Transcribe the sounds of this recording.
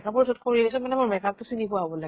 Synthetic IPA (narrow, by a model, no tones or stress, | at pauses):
kapɔɹisɔt̚kʰoɹiisɔmanɛmʊɹmɛkatusinipuabɔlaɡ